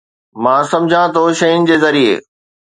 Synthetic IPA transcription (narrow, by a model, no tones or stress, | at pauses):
mãːsɐ̃md͡ʑʱãt̪ʰoʃɐjʊnɪ̆d͡ʑeːzɐɾiḛː